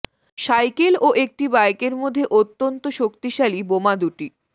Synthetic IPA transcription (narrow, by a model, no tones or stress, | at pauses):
ʃajkeloʔek̚ʈibajkeɾmod̪ʱːeʔot̪ːont̪oʃokt̪iʃalibomad̪uʈi